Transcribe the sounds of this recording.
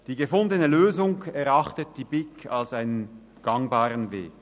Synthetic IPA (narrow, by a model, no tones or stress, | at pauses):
d̥iːɡəfʊndənəløːzʊŋɛʁɑχtət̚d̥iːb̥ɪkʰalsaɪnən | ɡ̥ɑŋbaːʁənvḛːk